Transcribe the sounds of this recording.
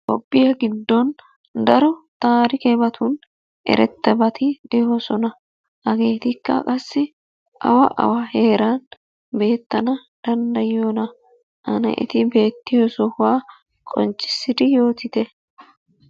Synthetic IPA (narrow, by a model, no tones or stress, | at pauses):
kɔpʼːɪjɐɡɪd̪ːɔn | d̪ɐɾɔt̪aːɾɪkɛbɐt̪ʰʊn | ʔɛ̰ɾʔɛt̪ːɛbɐt̪ʰɪd̪ehɔsɔnɐ | hɐɡe̞ːt̪ɪkːɐ̰kʼɐsːɪ | ɐ̰wɐʔɐ̰wahe̞ːɾan | be̞ːt̪ːɐnɐ | d̪̥ɐnd̪ɐjɪoːnɐ | ʔɐnɛ̰ʔɪ̰t̪ɪbe̞ːt̪ːɪjosɔhʊwaː | kʼɔ̰nt͡ʃːɪ̥sːɪd̪ɪjo̞ːt̪ɪt̪ɛ